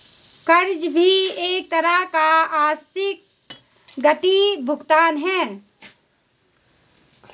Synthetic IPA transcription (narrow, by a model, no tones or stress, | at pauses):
kɐɾd͡ʒbʱieːk̚t̪əɾəɦkaaːst̪ʰɪk̚ | ɡət̪ibʱʊɡt̪aːnɦɛː